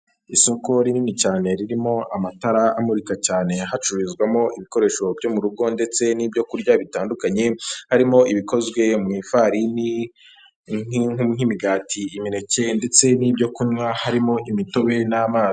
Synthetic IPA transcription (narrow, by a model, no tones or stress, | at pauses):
isuːko̞ɾininicaːne̞ɾiɾimo̞ʔamataɾaamuɾikacaːne̞ɦat͡ʃuɾizɡwamo̞ʔiβiko̞ɾe̞ːʃo̞bɟo̞muɾuɡo̞nde̞t͡se̞niːbjo̞kuɾɟaβitaːndukaɲe̞haɾimo̞ʔiβiko̞zɡwe̞mŋifaɾini | ŋuŋimiɡaːtʰiːmine̞ce̞nde̞t͡se̞niːbɟo̞kuɲwahaɾimo̞ʔimito̞βe̞namaː